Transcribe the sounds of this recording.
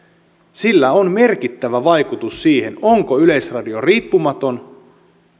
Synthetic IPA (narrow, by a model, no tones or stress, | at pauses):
silːæonme̞rkit̪ːæʋæʋɑjkut̪usːiːhenoŋko̞yle̞jsrɑdio̞riːpːumɑt̪o̞n